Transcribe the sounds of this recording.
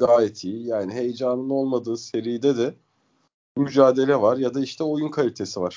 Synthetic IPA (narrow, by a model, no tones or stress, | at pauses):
ɡaːjet̪ʰiːjaːniɦe̞jd͡ʒanɯno̞lˠmad̪ɯːse̞ɾijid̪ɛd̪ɛ | myd͡ʒaːd̪e̞lʲɛvaɾjad̪aiʃt̪ʰɛo̞junkʰalʲit̪ʰe̞sivaɾ̥